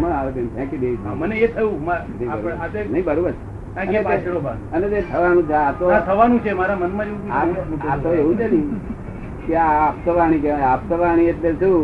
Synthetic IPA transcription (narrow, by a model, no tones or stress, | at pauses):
mənaʋebemt̪ʰɛ̃kid̪eit͡ʃʰməneet̪ʰəjũmanə̃ĩbəɾoazenəɦĩbəɾobəɾe | ãənet͡ʃoba | ənet̪et̪ʰəʋanũt͡ʃʰeat̪oãt̪ʰəʋanũt͡ʃʰemaɾamənmãd͡ʒeũtiat̪oeɦũt͡ʃenĩ | keapsəʋaɽ̃ikeap̚səʋaɽ̃iet̪leɾsu